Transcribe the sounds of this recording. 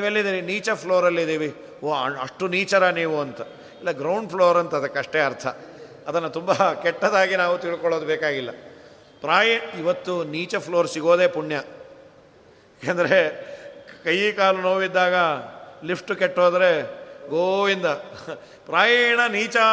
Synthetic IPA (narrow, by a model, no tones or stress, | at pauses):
niːʋelːid̪iːʋiniːt͡ʃɐpʰloːɾɐlːid̪iːʋi | oːɐ̰ʂʈuniːt͡ʃɐɾɐniːʋuɐnt̪ɐ | ilːɐɡɾɐwɳɖpʰloːɾɐnt̪ɐːd̪ɐkːɐʂʈeɐɾt̪ʰɐː | d̪ɐnːɐt̪umbɐkɛʈːɐd̪aːɡinaːʋut̪iɭkɔɭoːd̪ubeːkaːɡilːɐ | pɾaːjiʋɐt̪ːuniːt͡ʃɐpʰloːɾsiɡo̞ːd̪e̞ːpuɳjɐ | kend̪ɐɾe | kɐjikaːlunoːʋid̪ːaːɡɐlipʰʈukɛʈːoːd̪ɐɾe̞ɡoːind̪ɐ | pɾaːjɐɳɐniːt͡ʃɐ